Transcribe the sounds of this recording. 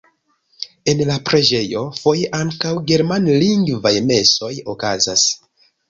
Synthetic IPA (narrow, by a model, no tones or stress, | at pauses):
e̞nlapɾe̞d͡ʒe̞jo̞fo̞jeʔaŋkawɡe̞ɾmanliŋɡvajme̞so̞jo̞kaza̰s